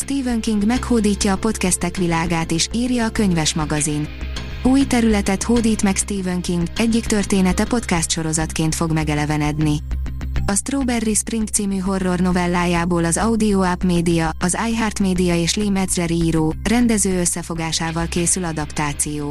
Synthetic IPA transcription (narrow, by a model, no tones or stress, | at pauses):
st̪iːvøŋkiŋɡmɛkhoːd̪iːcːɒːpo̞t̪kɛst̪ɛkʋilaːɡaːt̪iʃiːrjɒːkø̞ɲvɛʃmɒɡɒzin | uːjt̪ɛɾylɛt̪ɛt̪hoːd̪iːt̪mɛkst̪iːvøŋkiŋɡɛɟːikt̪ø̞rt̪eːnɛt̪ɛpo̞t̪kɛst̪ʃo̞ɾo̞zɒt̪keːnt̪fo̞ɡmɛɡɛlɛvɛnɛd̪ni | ɒst̪roːbɛrːispriŋk̚t̪siːmyɦo̞rːo̞rno̞vɛlːaːjaːboːlɒzɒud̪ioapmeːd̪ijɒɒzaːjɦaːrt̪meːd̪ijɒeːʃliːmɛd̪zlɛɾiːɾoːrɛnd̪ɛzøːøsːɛfo̞ɡaːʃaːvɒlkeːsylɒd̪ɒpt̪aːt̪sijoː